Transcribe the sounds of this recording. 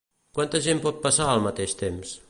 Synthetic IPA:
kwant̪əʒempɔt̪̚pəsaəlˠmət̪eʃt̪ems

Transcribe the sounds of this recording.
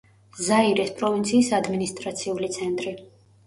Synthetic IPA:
zaiɾɛspʼɾɔvint̪sʰiːsad̪minist̪ʼɾat̪sʰiulit̪sʰɛnt̪ʼɾi

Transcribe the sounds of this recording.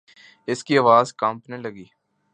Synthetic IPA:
ɪskiɐʋaːzkɐ̃mpnelɐɡiː

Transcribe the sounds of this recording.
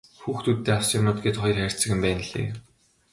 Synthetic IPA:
xuːxt̪ut̪ːeːawsiːnʊːt̪̚ɡet̪χɔjɞ̆rxær̥ʲʰt͡sɘ̆xɘ̆mpæːn̆ɮḛː

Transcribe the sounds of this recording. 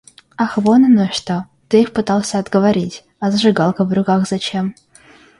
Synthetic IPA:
ɐxvonɐnoʂt̪o | t̪ɨixpɨt̪ɑlˠsʲəɐd̪ɡəvɐɾʲitʲ | ɐzəʐɨɡɑlˠkəvrʊkaxzɐt͡ɕem

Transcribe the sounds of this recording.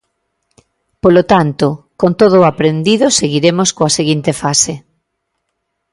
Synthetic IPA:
polot̪ant̪okont̪oð̞oːapɾend̪iðoseɣiɾemoskoaseɣint̪efase

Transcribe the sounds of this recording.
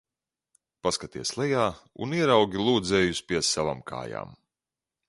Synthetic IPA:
paskat̪iɛslˠɛjaːṵniɛɾawɡʲilˠuːd̪zɛːjuspʲiɛsava̰mkʰa̰ːja̰ːm

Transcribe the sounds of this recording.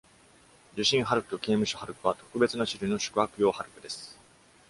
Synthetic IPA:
d͡ʑɨɕĩɰ̃ɦaɾɯ̟kɯ̥t̪o̞ke̞ːmɯ̟ɕohaɾɯ̟kɯ̟βat̪o̞̥kɯ̟be̞t͡sɨnaɕiɾɯino̞ɕɨ̥kɯ̟akɯ̟jo̞ːhaɾɯ̟kɯ̟d̪e̞sɨ̥

